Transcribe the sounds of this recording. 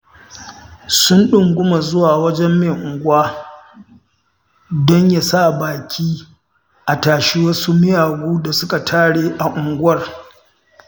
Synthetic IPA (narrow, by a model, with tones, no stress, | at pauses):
sʊ˦nɗʊ˨ŋɡʷʊ˦ma˨zʊ˦waː˨wɐ˦d͡ʒɛ˦mːe˨ʔʊ˨ŋɡʷʊ˦aː˦ | dɔ˦ɲja˦sa˦˨baː˨kʲʰiː˦ | ʔa˨taː˨ʃi˦wɐ˦su˦mɪ˦jaː˨ɡuː˦da˨sʊ˦ka˨tʰaː˦ɽeː˦ʔa˨ʔʊ˨ŋɡʷʊ˦ɐ˦˨r